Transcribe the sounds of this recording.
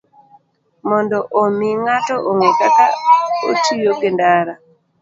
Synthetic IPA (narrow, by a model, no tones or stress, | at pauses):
mɔndɔʔomiŋatɔʔoŋekaka̰o̰tijokendaɾa